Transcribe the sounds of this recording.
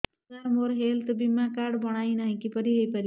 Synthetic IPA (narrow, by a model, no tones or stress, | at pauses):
amoɾɦelt̪əbimːakaɖbəɽ̃ainaɦĩkipəɾiɦəjpal